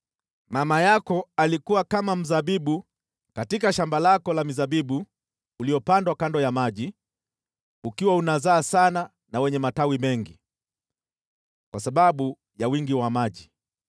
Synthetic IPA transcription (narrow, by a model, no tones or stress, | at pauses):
mamajakɔalikuwakamam̩zaɓiɓu | katikaʃambalakɔlamizaɓiɓuː | liɔpandwakandɔjamaʄi | ukiwaunazaːsana | nawɛɲɛmatawimɛŋɡi | kwasaɓaɓu | jawiŋɡiwamaʄi